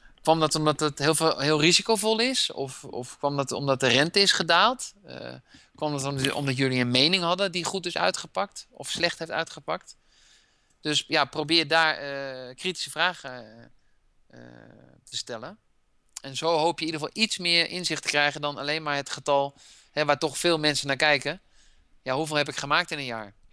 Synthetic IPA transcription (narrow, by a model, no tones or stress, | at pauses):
kʋɑmdɑtɔmdɑtətɦɪːlˠvɦɪːlˠrizikowvɔlˠɪsɔ̰fɔ̰fkʋɑmdɔtɔ̰mdɑt̚dərɛntəɪsχədaːlˠt | kʋɑmdtɔ̰mdɑt̬jɵliənmejnɪŋɦɑdədiχutɪsœ̰ɥtχəpɑk̚tɔfslɛχtɦeftœ̰ɥtχəpɑk̚t | d̥øsjaprowbɪːɹdaːɹkriti̥səvraːχə | tʰəstɛlə | ɛnzowɦowpjəidəəfɑlˠitsmɪːɹɪnzɪχtə̥krɛjɣəndɔna̰lejnmaːɹɦətχətɑlˠ | hɛʋaːɹtɔχfɪːlˠmɛnsənaːɹkɛjkə | jaɦuveːlˠɦɛp̬ɪkχəmaːk̚tɪnənjaːɹ